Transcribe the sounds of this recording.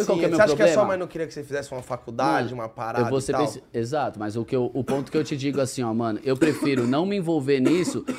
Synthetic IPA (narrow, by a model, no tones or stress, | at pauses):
kwawkɛmewapɾʊobkɛsmɐmɐmɐ̃j̃nɐ̃w̃keɾiɐkɪ̥sefizɛsɪũmɐfakud̪ad͡ʒɪũmɐpaɾaewd̪voseabẽsezat̪ʊmɐzʊkɪewʔʊpõnt̪ʊkɪewt͡ʃɪd͡ʒiɡʊasĩɔmɐ̃nʊʔewpɾefiɾʊnɐ̃w̃miĩvowveɾnisʊ